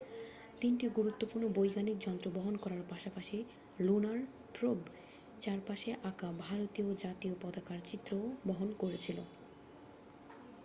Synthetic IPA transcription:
t̪inʈiɡuɾut̪ːopuɾnobojɡanik̚d͡ʑɔnt̪ɾoboɦonkɔɾaɾpaʃapaʃi | lunaɾ | pɾob | d͡ʑaɾpaʃeʔakabʱaɾot̪iod͡ʑat̪iopɔd̪akaɾt͡ɕit̪ːɾoboɦonkoɾet͡ɕʰilo̰

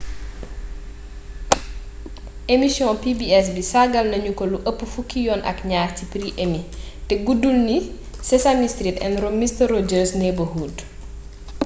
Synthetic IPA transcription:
ʔemisjɔ̃pibiɛs̬bisaɡɐlnɐɲukɔluʔəpːufukːijɔnʔɐ̰kɲaːhcipɾiʔemitɛɡudulni | sɛsamistɾitɛ̰nɾomistərɔd͡ʒəɾsnɛbəhuːd

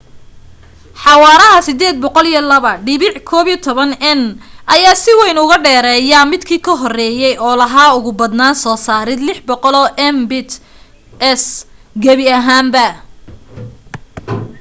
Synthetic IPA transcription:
ħɑwɑːɾɐɦɐsɪd̪ɛːd̪̚bɔqɔlijɐlɐβɐɖɪβɪʕkʰɔːβiːt̪ʰɔβɐnɛnʔɐjaːsɪwɛjnʊɣɐɖɛːɾɛːjɐmɪd̪kʰiːkʰɐɦɔrɛːjɛjɔːlɐɦaːʊɣʊbɐd̪naːnsɔːsaːɾɪd̪lɪħbɔqɔlɔːʔɛmbɪt̪ | ɛsɡɐβɪɐɦaːmbɐ

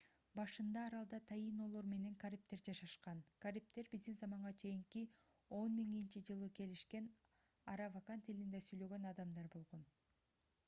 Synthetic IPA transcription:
bɑʃɯnd̪ɑːɾɑlˠd̪ɑt̪ʰɑjino̞lˠo̞ɾme̞ne̞ŋkaɾʲip̚t̪e̞ɾd͡ʒɑʃɑʃqɑnkaɾip̚t̪e̞ɾbizd̪inzɑmɑɴʁɑt͡ʃʰe̞jiŋki | o̞nmiŋint͡ʃid͡ʒɯlˠɯke̞liʃke̞n | ɑɾavakant̪ʰilind̪esyjlø̞ɡø̞nɑd̪ɑmd̪ɑɾbo̞lˠʁo̞n

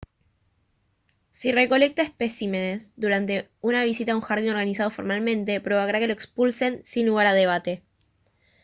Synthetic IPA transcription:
sire̞ko̞le̞k̚t̪aehpe̞sime̞ne̞zd̪uɾant̪e̞unaβ̞isit̪auŋxaɾðinoɾɣanisað̞o̞fo̞ɾmalmẽ̞nt̪e̞pɾo̞βaɣɾake̞loe̞kspulse̞nsinluɣ̞aɾaðe̞β̞at̪e̞

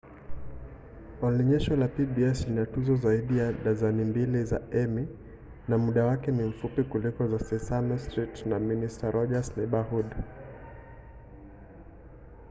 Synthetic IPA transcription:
ɔliɲɛʃɔlapibiɛsinatuzɔzaiɗijaɗazanimbiliza̰ɛmi | namuɗawakɛnim̩fupikulikɔzasɛsamɔstɾitnaministaɾɔʄasnɛɓahud

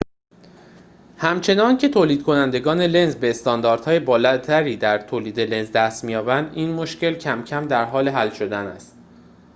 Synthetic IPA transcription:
hæmt͡ʃʰe̞nɒːncʰe̞t̪ʰoːliːd̪̥̚kʰo̞nænd̪e̞ɡɒːne̞le̞nzbe̞ːst̪ɒːnd̪ɒːɾd̪̥hɒːjebɒːlæt̪ʰæɾiːd̪æɾt̪ʰoːliːd̪e̞le̞nzd̪æst̪mijɒːbænd̪iːnmo̞ʃce̞lcʰæmcʰæmd̪æɾɦɒːle̞ɦælʃo̞d̪ænæ̰st̪

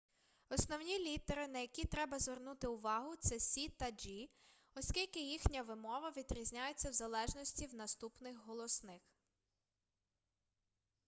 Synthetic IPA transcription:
ɔsnɔwnʲilʲit̪eɾɪnɐjɐkʲit̪ɾɛbɐzʋernut̪ɪʊʋɑɦʊt̪sɛsʲit̪ɐd͡ʒi | ɔskʲilʲkɪjixnʲɐʋɪmɔʋɐʋʲid̪ɾʲizʲnʲajet͡sʲːɐwzɐlˠɛʒnɔsʲtʲiwnɐst̪upnɪxɦɔlˠɔsnɪx

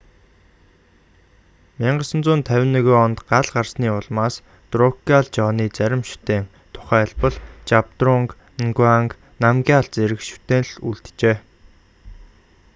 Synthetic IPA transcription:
miɴɢə̆sə̆nt͡sʊːnt̪ʰæwʲɪ̆nːeɣoːɔnt̪ɢaɮɢarsniːʊɮmaːs | t̪rʊkaɮt͡ɕɔːniːt͡sæɾʲɪ̆mʃu̥t̪eːn | t̪ʰʊ̥χæːɮpə̆ɮt͡ɕap̚t̪rʊŋk | ŋɡwaŋk | namɡʲiaɮt͡seɾɘ̆kʃu̥t̪eːnɮuɮt̪t͡ɕeː

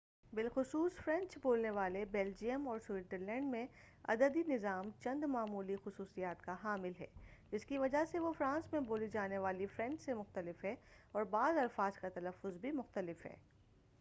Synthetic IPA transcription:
bɪlxʊsuːsfɾɛ̃nt͡ʃboːlneʋaːlebɛːld͡ʒijəmɔːɾswɪːʈəɾlɛ̃ːɳɖmẽ | ɐ̰d̪əd̪inɪzaːmt͡ʃɐ̃nd̪maːmuːlixʊsuːsijaːt̪kaɦaːmɪlɦɛ̰ːd͡ʒɪskiʋɐd͡ʒaseʋofɾãːsmẽboːlid͡ʒaːneʋaːlifɾɛ̃ɳt͡ʃsemʊxt̪əlɪfɦɛɔːɾbaːzɐlfaːzkat̪ɐləfːʊzbʱimʊxt̪əlɪfɦɛ̰ː

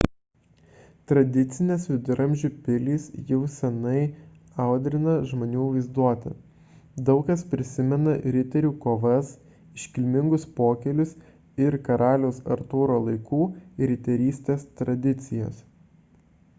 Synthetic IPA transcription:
t̪ɾɐd̪ʲɪt̪sʲɪnʲeːsʋʲɪd̪ʊɾɐmʲʒʲupʲɪlʲiːsjɛʊsʲɛnɐɪ | ɑˑʊd̪ʲɾʲɪnɐʒmoːnʲuːʋɐɪzd̪uɔt̪ɐ | d̪ɒʊkɐspʲɾʲɪsʲɪmʲɛnɐɾʲɪt̪ʲɛɾʲuːkoːʋɐs | ɪʃʲkʲɪlʲmʲɪŋɡʊspoːkʲɛlʲʊs | ɪɾkɐɾɑːlʲoːsɐ̰ɾt̪uːɾoːlˠɐɪkuːɾʲɪt̪ʲɛɾʲiːsʲt̪ʲeːst̪ɾɐd̪ʲɪt̪sʲɪjo̰ːs

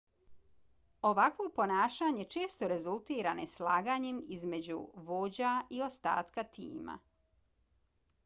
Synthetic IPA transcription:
o̞ʋakʋo̞po̞naːʃaɲe̞t͡ʃe̞ːst̪o̞ɾe̞zulˠt̪iːɾaneslaːɡaɲemizme̞d͡ʑṵʋo̞ːd͡ʑaio̞st̪a̰ːt̪kat̪ḭːma̰

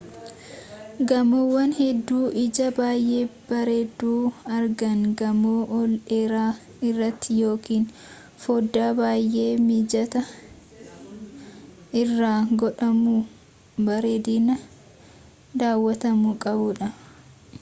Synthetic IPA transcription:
ɡɐmowːɐnhɛd̪ːuːʔɪd͡ʒɐbaːjʔeːb̥ɐɾeːd̪ːuːɐɾɡɐŋɡɐmoːʔɔleːɾaː | ɪrːɐt̪ːɪjo̞ːkiːn | foːd̪ːaːbaːjʔe̞ːmiːd͡ʒɐt̪ɐ | ɪrːaːɡɔᶑɐmuː | bɐɾeːd̪iːnɐ | d̪aːwːɐt̪ɐmukʼɐbʊᶑɐ

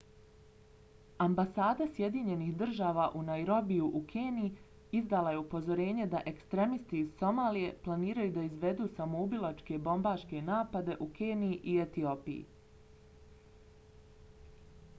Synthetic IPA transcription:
ambasaːd̪asje̞d̪iɲe̞nihd̪r̩ʒaːʋaʔunajɾo̞bijuʔukʰeːnii | izd̪alaje̞upo̞zo̞ɾe̞ːɲe̞d̪aʔe̞kst̪ɾe̞mist̪iːz̥so̞maːlije̞plˠaniːɾajud̪aizʋe̞d̪uːsamoubilˠat͡ʃke̞bo̞mbaːʃke̞naːpad̪e̞ʔukeːniiʔiet̪iopḭjḭ

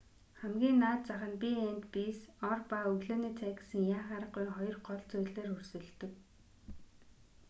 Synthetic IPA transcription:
χæmɡʲiːnːaːt̪t͡saχə̆npʲiænt̪piːsɔrpaːɵɣɮoːniːt͡sʰæːk̆sɘ̆ŋjaːχaːɾə̆ɢujχɔjɞ̆rɢɔɮt͡sʊːɮeːrɵrsɘ̆ɮt̪ɘ̆k

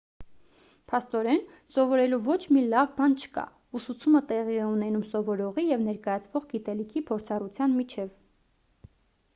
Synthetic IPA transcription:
pʰɑst̪ɔɾɛn | sɔvɔɾɛluvɔt͡ʃʰmilɑvbɑnt͡ʃʰə̥kɑ̰ | usut͡sʰumət̪ɛʁiɛunɛnumsɔvɔɾɔʁijɛvn̪ɛɾkɑjɑt͡sʰvɔʁɡit̪ɛlikʰipʰɔɾt͡sʰɑrut͡sʰjɑnmit͡ʃʰɛv

